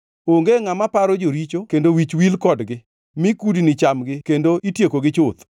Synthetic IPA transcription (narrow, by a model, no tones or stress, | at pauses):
oŋɡeŋamapaɾod͡ʒoɾit͡ʃokendowit͡ʃwilkɔdɡɪ | mɪkudinɪt͡ʃamɡɪkendoʔitjekoɡɪt͡ʃʊt̪